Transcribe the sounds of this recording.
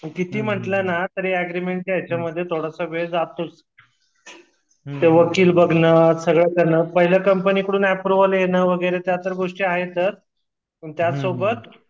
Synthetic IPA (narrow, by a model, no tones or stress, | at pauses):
məkit̪iːm̤əʈlənat̪əɾeæɡɾimeɳʈ̚jat͡ɕaməd̪ʱːjet̪ʰoɽəsəʋed͡zat̪ut͡s | t̪eʋəkiːlbəɡʱnəsəɡɭəkəɾɳəːpəɦiləkəmpəniːkəɽuːnæpɾuʋəljenəːʋəɡəjɾet̪jat̪əɾɡoʂʈiːaɦet̪əɾ | məɳt̪jasobət̪